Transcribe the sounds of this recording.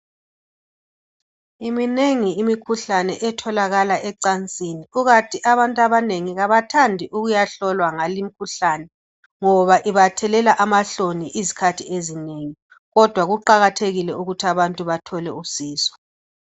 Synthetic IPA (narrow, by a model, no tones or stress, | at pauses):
imineŋiimikʰuɬanɛʔɛtʰɔlaɣalaʔɛǀant͡sʼiniuɣatʰiʔaβantʼaβaneŋiɣaβatʰandʱiʔuɣujaɬɔlwaŋalimikʰuɬaːnɛ | ŋɔβaʔiβatʰɛlɛlaʔamaɬoniʔizikʰatʰiezineŋi | ɣɔd̥ʱwaɣuǃaɣatʰeɣilɛuɣutʰiaβantʼuβatʰɔlɛusiːsɔ̥